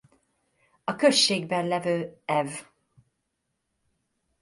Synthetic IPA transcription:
ɒkø̞ʃːeːɡbɛnlɛvøːɛv

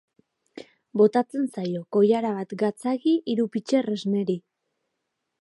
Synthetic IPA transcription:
bo̞t̪at͡se̞nsajo̞ko̞jaɾaβat̪ɡat͡saɣiʔiɾupit͡ʃe̞re̞zne̞ɾi

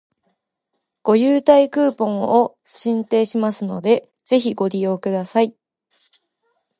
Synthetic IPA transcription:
ɡ̥o̞jɯːt̪aikɯ̟ːpõ̞ɰ̃o | ɕĩnt̪e̞ːɕimasɨno̞̰d̪e̞ | z̥e̞çiɡo̞ɾʲijo̞ːkɯ̟d̪asai

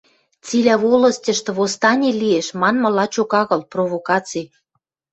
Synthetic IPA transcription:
t͡silæβolə̆stʲə̆ʃt̪ɤ̆βost̪ɑnʲilieʃmɑnmɤ̆lɑt͡ɕokɑɣɤ̆lprovokɑt͡sij

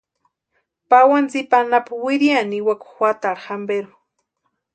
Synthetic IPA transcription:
pawant͡sipanapawiɾjaniwaku̥xwat̪aɾxambeɾu

